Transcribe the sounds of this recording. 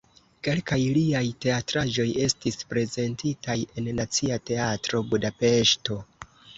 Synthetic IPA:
ke̞lkajliajte̞atɾaʒo̞je̞stispɾe̞ze̞ntitaje̞nnat͡siate̞atɾo̞budape̞ʃto̞

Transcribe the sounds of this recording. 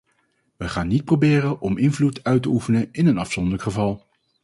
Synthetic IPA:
ʋəχaːnːit̚probɪːrəʔɔmɪnvlutœɥtəufənəɪnənɑfsɔndələkχəvɑlˠ

